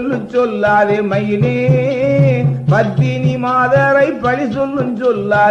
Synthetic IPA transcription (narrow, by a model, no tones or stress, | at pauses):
lːɯt͡ʃɔlːaːðemɐjne | pɐt̪ːinimaːðɐɾɐɪpːɐɻisɔlːɯnt͡ʃɔlːaː